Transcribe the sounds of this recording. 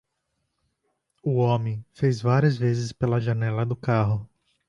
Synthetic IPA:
ʊõmẽj̃fejzvaɾiɐzvezɪspelɐʒɐnɛlɐd̪ʊkaɦʊ

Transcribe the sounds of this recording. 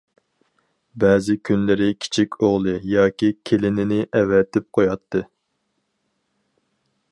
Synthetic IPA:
bɛːzɪkʲʰynlɪɾɪkʲʰi̥t͡ʃʰikʲoʁlˠɨjɑːkʲikʲʰelɪnɪnɪʔɛvɛt̪ʰɪp̚qʰojɑt̪ʰːɨ

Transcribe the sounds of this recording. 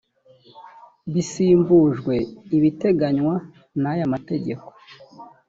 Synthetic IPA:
βisiːmbuʒɡwe̞iβite̞ɡaɲwa | najamate̞ɟe̞ko̞̥

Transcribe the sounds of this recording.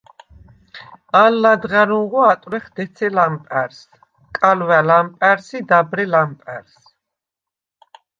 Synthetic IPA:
alːad̪ʁaɾuʁuat̪ʼwɾɛχd̪̥ɛt̪sʰɛlampʼɛɾs | kʼalwɛlampʼɛɾsid̪abɾɛlampʼɛɾs

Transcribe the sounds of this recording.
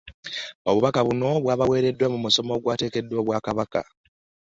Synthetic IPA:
o̞βuβakaβuno̞βwaːβawe̞ːɾe̞dːwamumuso̞mo̞ːɡwaːte̞ːke̞dːo̞ːβwaːkaβaka̰

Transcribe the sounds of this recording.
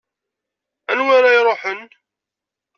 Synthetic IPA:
ænwaɾajɾˤoħən

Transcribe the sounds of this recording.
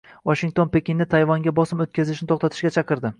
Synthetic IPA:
vɒʃiŋʲt̪ʰo̞npekʲinːɪt̪ʰajvɒŋɡʲabɒsɪmot̪̚kʲʰazɪʃnɪt̪ʰoχt̪at̪ʰɪ̥ʃɡʲat͡ʃʰɑqɨɾd̪ɪ

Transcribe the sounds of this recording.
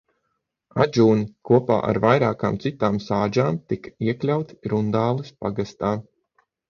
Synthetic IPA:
a̰d͡ʒuːnikuɔpa̰ːʔa̰ɾvajɾaːkaːmt̪sit̪aːmsaːd͡ʒaːmt̪ikiɛklʲawt̪i̥ɾund̪aːlˠɨspaɡast̪aː

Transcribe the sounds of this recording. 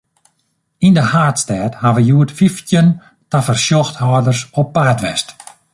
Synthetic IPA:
indəhaːtstɛːthaʋəjuətfiftjən | tafərsjɔxthɔːdərsɔpːaːtʋɛst

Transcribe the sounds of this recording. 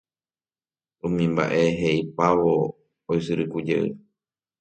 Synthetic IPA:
ũmĩmba̰ʔe̞ɦeʔipaʋoː | jsɨɾɨkud͡ʒḛɨ̰

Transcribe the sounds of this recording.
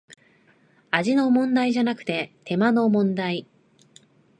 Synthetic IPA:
aʑino̞mõ̞nd̪aiʑanakɯ̟̥t̪e̞t̪ʰe̞mano̞mõ̞nd̪ai

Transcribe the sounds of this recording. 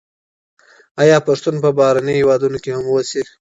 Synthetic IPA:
ɑjɑpaʂt̪unpəbɑhɾanəjhewɑd̪unokehamwəsi

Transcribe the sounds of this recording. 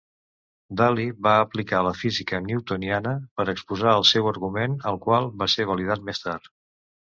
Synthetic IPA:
d̪aliβaəplikaləfizikəniuwt̪unianəpəɾəkspuzaəlˠsɛwəɾɣumenəlˠkwalˠβaseβ̞əlið̞at̪̚mest̪aɾt̪

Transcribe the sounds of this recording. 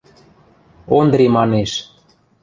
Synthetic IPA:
ond̪ɾimɑneʃ

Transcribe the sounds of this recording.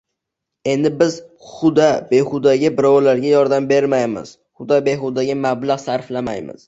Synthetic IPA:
e̞nd̪ɪbɪz̥χʊd̪abe̞χʊd̪aɡʲabɪɾɒwlaɾɡʲajɒɾd̪ambe̞ɾmajmɪ̰z̥ | χʊd̪abeɦʊd̪aɡʲamablaʁsaɾflama̰jmɪ̰z̥

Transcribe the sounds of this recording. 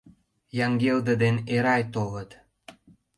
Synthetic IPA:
jɑŋɡeld̪ə̆d̪eneɾɑjt̪oɣət̪

